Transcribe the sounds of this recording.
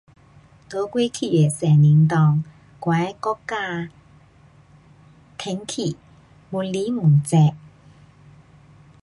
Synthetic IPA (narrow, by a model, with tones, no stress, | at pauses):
t̪o˨˧˥kwi˥kʰi˨˩jɛ˨˩sɛː˨˩ni˨˥nt̪ɔː˧ŋ | kwa˨˥jkɔ˥kːaː˥˧ | t̪ʰɪ˨˧˥ŋkʰi˨˩ | mu˨˩nliː˨˥mu˨˩nt͡sɛ˧p̚